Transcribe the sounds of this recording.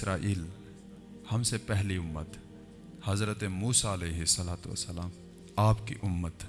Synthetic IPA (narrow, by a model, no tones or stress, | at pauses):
ɾaːʔiːl | hɐmsepɛɦliʊmːət̪ | hɐzɾət̪emuːsaɐleːɦɪsːɐlaːt̪ʋə̰sːəlaːm | aːpkḭʔʊmːət̪